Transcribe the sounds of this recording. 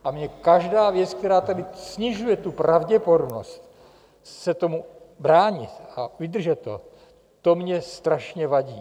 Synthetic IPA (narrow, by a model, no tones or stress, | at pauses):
ʔamɲɛkaʒdaːvjɛt͡sk̚t̪ɛɾaːt̪adɪsɲɪʒujɛt̪upɾʔavɟɛpo̞domno̞̰st̪ | sɛt̪o̞mubɾaːɲɪt̪avɪd̪r̩ʒɛt̪ːo̰ | t̪o̞mɲɛst̪ɾaʃɲɛvaɟiː